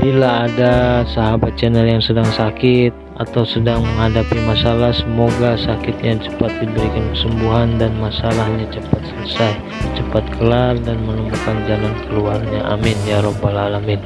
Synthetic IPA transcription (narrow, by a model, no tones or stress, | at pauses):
bilaːdasaɦabat̪̚t͡ʃənəljaŋsədaŋsakɪt̪̚at̪awsədaŋməŋɦadapimasalahsəmoɡasakɪt̪̚ɲat͡ʃə̥pat̪̚dibəɾikankəsəmbuɦandanmasalahɲat͡ʃəpat̪sələsaj | t͡ʃəpat̪̚kʰəlardanmənəmukand͡ʒalankəluarɲaʔa̰mɪnjaɾɔhbalalamɪn